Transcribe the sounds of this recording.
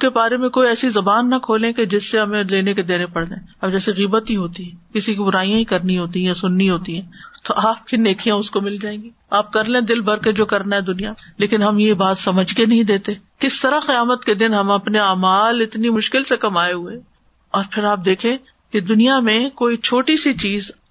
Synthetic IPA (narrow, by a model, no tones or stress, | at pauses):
ʊkebaːɾemẽkoːiɛːsizɐbaːnːɐkʰoːlẽked͡ʒɪsːeɦɐmẽleːneked̪eːnepɐɽd̪ẽːɐbd͡ʒɛːseɣiːbət̪ɦiɦoːt̪iɦɛ̃ːkɪsikibʊɾaːijãĩkɐɾniɦoːt̪ijɛsʊnːiɦoːt̪iɦɛ̃ːt̪oʔaːp̚kineːkʰijãʊskomɪld͡ʒaːẽːɡi | aːp̚kɐɾlẽd̪ɪlbɐɾked͡ʒoːkɐɾnaɦɛd̪ʊnijaleːkɪnɦɐmjebaːt̪sɐməd͡ʒkenɐɦĩd̪eːt̪eːkɪst̪ɐɾaqɪjaːmət̪ked̪ɪnɦɐmɐpneaːmaːlɪt̪nimʊʃkɪlsekɐmaːeɦʊeː | ɔːɾpʰɪɾaːp̚d̪eːkʰẽ | ked̪ʊnijamẽkoːit͡ʃʰoːʈisit͡ʃiːz